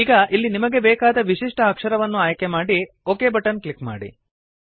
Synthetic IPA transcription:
iːɡɐʔilːinimɐɡe̞bɛːkaːd̪ɐʋiʂiʂʈɐːkʂɐɾɐʋɐnːuaːjkemaːɽi | oːkeːbɐʈɐnkɭikma̰ːɽḭ

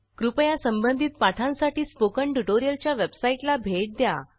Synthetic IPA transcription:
kɾupəjasəmbənd̪ʱiːt̪̚paʈʰãnsaʈiːspokəɳʈuʈoɾijəlt͡ɕjaʋebsaiʈlabʱeʈ̚d̪ja̰

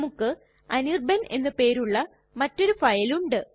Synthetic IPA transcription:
mukːɨ | ɐnirbɐnʔe̞̰nːɨpe̞ːɾuɭːɐ | mɐtːo̞ɾufɐjɐluɳɖɨ

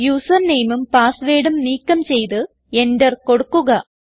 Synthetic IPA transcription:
juːsɐrnejmumpaːsʋe̞ːɽumniːkːɐmt͡ɕe̞jt̪ɨ | e̞ndɐrko̞ɽukːuɣɐ

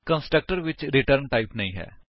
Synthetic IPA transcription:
kə̃nsʈɾək̚ʈəɾʋɪt͡ʃɾɪʈəɾnʈaːɪpnɐĩːɦɛ̰ː

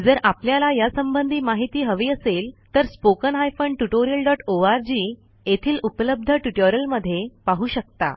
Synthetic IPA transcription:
d͡zəɾapljalajasəmbənd̪ʱiːmaɦit̪iːɦəʋiːəselt̪əɾspokənɦajfəɳɖʈuʈoɾijəlɖɔʈoaɾd͡ʑiː | et̪ʰiːlupələb̚d̪ʱəʈuʈoɾəlməd̪ʱːjepaɦuːɕək̚t̪a̰

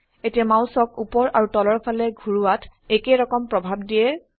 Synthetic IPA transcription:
etiamawsɔkupɔɹʔaɹutɔlɔɹpʰalɛɡʱuɹuatʰekeɹɔkɔmpɹɔbʱabdijɛ

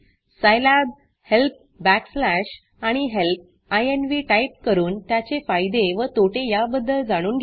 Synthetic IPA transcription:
səjlab̚ | help̚ | bækslæɕ | aɽ̃iɦelp̚ | ajenʋiːʈajp̚kəɾuːnt̪jat͡ɕefajd̪eʋət̪oʈejabəd̪ʱːəɭd͡zaɽ̃uːnɡʱ

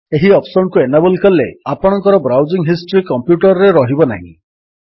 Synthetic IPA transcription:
eɦiɔpʰsɔɳkuenabɔlikɔleapɔɽɔŋkɔɾɔbɾawd͡ʒiŋɦisʈɔɾikɔmpjuʈɔɾɔɾeɾɔɦibɔna̰ɦḭ̃

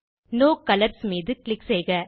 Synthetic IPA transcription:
noːkɐlɐɾsmiːðɯklɪksɛjɣɐ

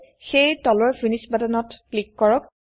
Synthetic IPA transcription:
xejtɔlɔɹfinisbadanɔtklikːɔɹɔk̚

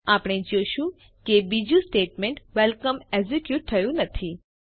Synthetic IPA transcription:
apɽ̃ed͡ʒoʃũ | kebid͡ʒũsʈeʈmẽɳʈʋɛlkəmezekjuʈ̚t̪ʰəjũnət̪ʰi

